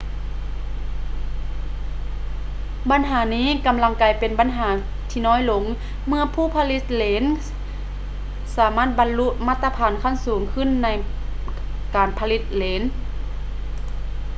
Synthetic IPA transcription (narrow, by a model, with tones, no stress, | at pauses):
ba˨˦nɦaː˩˦niː˧˥˨ka˨mla˧ŋkaː˨˩jpe˨nba˨nɦaː˩˦ | t̪ʰiː˧nɔː˧˥˨jlo˧˦ŋ | mɯ˧ɐpʰuː˧˩˨pʰa˧li˧˥t̪̚leː˨˧˦n | saː˨˦maː˧˥˩t̪̚ba˨nlu˧˥ʔ̚maː˧˩t̪ːa˧pʰaː˨˦nkʰa˧˥˨nsuː˨˩˦ŋkʰɯ˧˥˨nːa˧˩j | kaː˨npʰa˧li˧˥t̪̚leː˨˦n